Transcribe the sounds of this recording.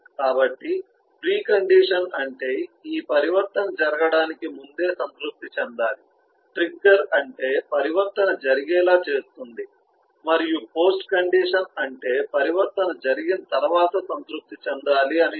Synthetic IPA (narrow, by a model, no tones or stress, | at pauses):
kaːbɐʈːi | pɾiːkɐɳɖiːʂɐnɐɳʈe̞ːiːpɐɾiʋɐɾt̪ɐnɐd͡ʒɐɾɐɡɐɽaːnikimund̪e̞ːsɐnt̪ɾuk̚t̪it͡ʃɛnd̪aːli | ʈɾiɡɐɾɐɳʈe̞ːpɐɾiʋɐɾt̪ɐnɐd͡ʒɐɾiɡɛːlaːt͡ʃe̞ːst̪und̪i | mɐɾijupo̞ːsʈkɐɳɖiːʂɐnɐɳʈe̞ːpɐɾiʋɐɾt̪ɐnɐd͡ʒɐɾiɡinɐt̪ɐɾɐʋaːt̪ɐsɐnt̪ɾup̚t̪it͡ʃɛnd̪aːliɐni